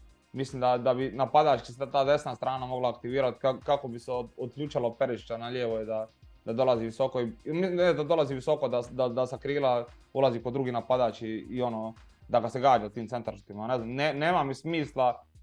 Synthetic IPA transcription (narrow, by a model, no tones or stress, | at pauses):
mislimd̪ad̪abinapad̪aːt͡ʃkiseat̪aːd̪e̞snast̪ɾaːnamo̞ɡlˠaːkt̪iʋiːɾat̪kakakobiseod̪̚kʎʲuːt͡ʃalopeɾiʃt͡ʃanaʎeːʋojed̪ad̪ad̪o̞lˠaziʋiso̞koimisimed̪ad̪o̞laziʋiso̞kod̪ad̪ad̪asakɾiːlaulˠazipo̞d̪ɾuɡinapad̪aːt͡ʃiːo̞noː | d̪aɡaseɡaːd͡ʒat̪iːmt̪e̞nt̪aɾʃt̪imane̞znamneneːmamismiːslˠa